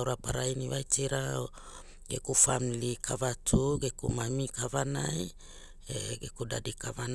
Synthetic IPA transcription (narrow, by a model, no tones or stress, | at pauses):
wɾapaɾainiβajt͡ʃiɾa | ɡḛkufamilikʰavatʰuɡekṵmamikavanaj | eɡekuda̰dikavan